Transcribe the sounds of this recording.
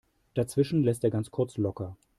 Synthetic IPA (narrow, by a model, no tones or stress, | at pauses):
d̥at͡sv̥ɪʃn̩lɛsteːɐɡant͡skʰʊɐt͡slɔkɐ